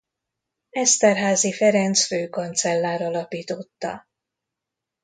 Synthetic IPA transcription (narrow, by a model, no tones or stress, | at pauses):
ɛst̪ɛrɦaːzifɛɾɛnt̪sføːkont̪sɛlːaːɾɒlɒpiːt̪o̞t̪ːɒ̰